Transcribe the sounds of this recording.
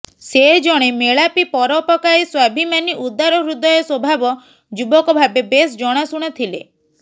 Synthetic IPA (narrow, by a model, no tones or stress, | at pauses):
sed͡ʒɔɽ̃emeɭapipɔɾɔpɔkajswabʱimaniʔud̪aɾɔbɾud̪ɔjɔswɔbʱabɔ | d͡ʒubɔkɔbʱabebesd͡ʒɔɽ̃asuɽ̃ɔt̪ʰilḛ